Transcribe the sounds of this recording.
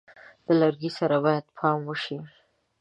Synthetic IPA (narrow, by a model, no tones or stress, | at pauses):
d̪̥əlaɾɡisaɾabɑjad̪pʰɑmwəʃi